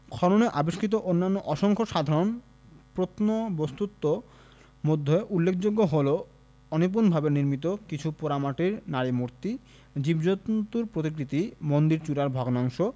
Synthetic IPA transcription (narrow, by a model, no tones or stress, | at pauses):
kʰɔɾoneʔaboʃkʰit̪̬oʔonːanːoʔɔʃoŋkʰoʃad̪ʱaɾon | pɾot̪nobost̪ut̪ːo | mod̪ʱːeʔulːekʰd͡ʑoɡːoɦolo | ɔnip̬unbʱabeniɾmit̪̬okit͡ɕʰupoɾamaʈiɾnaɾimuɾt̪i | d͡ʑibd͡ʑot̪t̪uɾpɾot̪̬ikɾit̪imond̪iɾt͡ɕuɾaɾbʱɔɡnɔŋʃo